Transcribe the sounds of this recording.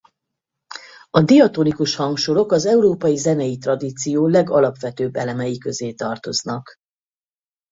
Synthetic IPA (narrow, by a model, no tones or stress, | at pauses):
ɒd̪ijɒt̪onikuʃhɒŋkʃolo̞kɒzɛuɾoːpɒjizɛnɛjit̪rɒd̪iːt̪sijoːlɛɡɒlɒpʋɛt̪øːbːɛlɛmɛjikø̞zeːt̪ɒrt̪o̞znɒk